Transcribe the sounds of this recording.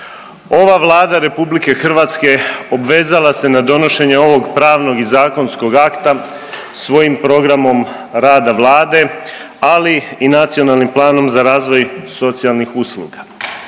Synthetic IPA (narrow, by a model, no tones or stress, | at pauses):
o̞ʋaʋlˠaːd̪aɾe̞publike̞xr̩ʋaːt̪ske̞obʋe̞ːzalase̞nad̪o̞no̞ʃe̞ɲeo̞ʋo̞ɡpɾaːʋno̞ɡizaːko̞nsko̞ɡakt̪a | sʋo̞jimpɾo̞ɡɾamo̞m | ɾaːd̪aʋlˠaːd̪e̞ | aliinat̪sio̞nalnimplˠaːno̞mzaɾaːzʋo̞jso̞t̪sijalˠnixuslˠṵɡa